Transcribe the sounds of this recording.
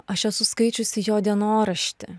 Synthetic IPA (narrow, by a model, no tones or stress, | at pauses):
ɐʃɛsʊskɐɪt͡ʃʲʊsʲɪjoːd̪ʲiɛnoːɾɐʃʲt̪ʲɪ